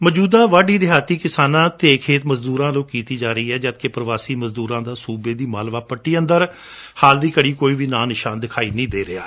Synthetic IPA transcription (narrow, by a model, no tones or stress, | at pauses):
məd͡ʒuːd̪aːʋaːɖiːd̪ɪɦaːt̪iːkɪsaːnãːt̪eːkʰeːt̪məzd̪uːɾãːlõːkiːt̪iːd͡ʒaːɾəiːɛːd͡ʒət̪̚keːpɾəʋaːsiːməzd̪uːɾãːd̪aːsuːbeːd̪iːmaːlʋaːpəʈːiːə̃nd̪əɾ | haːld̪iːkəɽiːkoːiːʋiːnaːnɪʃaːnd̪ɪkʰaːiːnĩːd̪eːɾɪa̰ː